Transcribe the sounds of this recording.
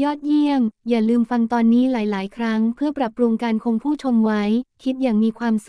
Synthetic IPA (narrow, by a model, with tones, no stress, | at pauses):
jɔː˥˩t̪̚ji˥˩əŋjaː˨˩lɯː˧mfa˧ŋt̪ɔː˧nːiː˦˥laː˩˦jlaː˩˦jkʰɾa˦˥ŋpʰɯ˥˩ɐpɾa˨˩pːɾu˧ŋkaː˧nkʰo˧ŋpʰuː˥˩t͡ɕʰo˧mwa˦˥jkʰi˦˥t̪̚jaː˨˩ŋmiː˧kʰwaː˧msu˨˩